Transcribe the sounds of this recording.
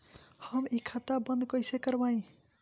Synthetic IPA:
həmikʰat̪abənd̪kʌjsekəɾbaĩ

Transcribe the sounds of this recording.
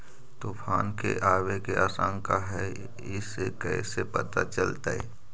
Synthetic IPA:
t̪oːfʰaːnkḛʔaːʋekeaːsãːŋkaɦɛ | ɪsekɛ̰ːsepɐt̪at͡ʃəlt̪aɛ̰

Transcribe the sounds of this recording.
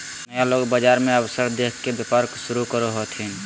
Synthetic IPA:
mɛ̃loːɡbəd͡ʒaːɾmẽəwsəɾd̪eːkʰkːebjəpəɾkʃʊɾukəɾoɦot̪ʰĩ

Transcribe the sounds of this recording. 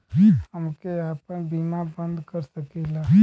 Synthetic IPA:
ɦəmkeaːpənbimabə̃nd̪kəɾsəkɛla

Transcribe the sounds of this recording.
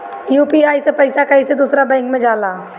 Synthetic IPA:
juːpiaːisepɐɪsakɐɦised̪uːsɾabɛ̃ːŋkmẽd͡ʒaːlaː

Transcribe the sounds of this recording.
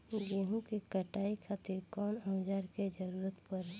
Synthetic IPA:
ɡeɦũkekəʈaːikʰaːt̪ɪɾkɔːnaːd͡ʒaːɾked͡ʒəɾuːɾət̪pəɾɛ

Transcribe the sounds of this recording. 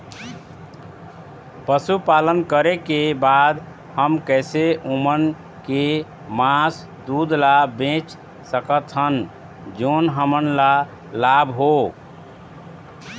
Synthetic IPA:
pəsupalənkəɾekebad̪ | həmkɛseʔomən | ke | mas | d̪ud̪labẽt͡ʃ | səkət̪ɦən | d͡ʒonɦəmənla | labɦo

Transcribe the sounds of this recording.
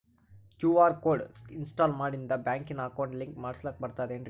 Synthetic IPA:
kjuːaːɾkoːɖsinsʈaːlmaːɽind̪ɐbjaːŋkinːɐɐkɐwɳɖliŋkmaːɽisloːk̚bɐɾt̪aːd̪eɳɖɾ

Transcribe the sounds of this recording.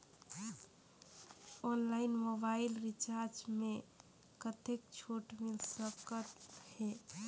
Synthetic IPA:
ɔnlaɪnmobailɾit͡ʃaɾd͡ʒme | kət̪ek̚t͡ʃʰoʈmilsəkət̪he

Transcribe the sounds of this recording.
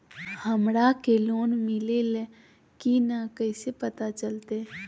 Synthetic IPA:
həmɽakeloːnmɪlelɛ | kinakəːsepət̪at͡ʃəlt̪e

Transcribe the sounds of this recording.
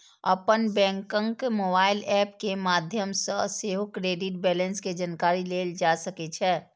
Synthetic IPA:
ə̰pənbɛ̃ːŋkə̃ŋkmoːbaːɪlɛːpkemaːd̪ʱjəmsəseːɦokɾeːɖɪʈ̚bɛːlənsked͡ʒankaːɾileːld͡ʒaːsəket͡ʃʰɛː

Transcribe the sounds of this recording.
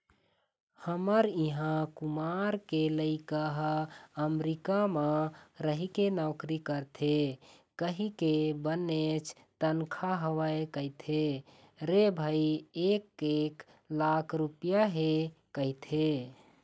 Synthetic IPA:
həməɾiɦãkumaɾkeləɪkəɦəmɾikamãɾəɦikenɔʊkɾikəɾt̪ʰe | kəɦikebənet͡ʃʰ | t̪ənkʰaɦəʋəekəit̪ʰe | ɾebʱaiekek | lakʰɾupijaɦekəɦit̪ʰe

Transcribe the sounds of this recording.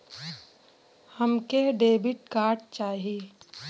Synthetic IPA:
həmkeɖeːbɪʈ̚kaːɾʈ̚t͡ʃaːɦieː

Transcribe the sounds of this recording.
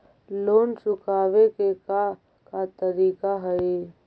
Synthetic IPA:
loːnsʊkaːʋekeka | kat̪əɾiːkaɦəe

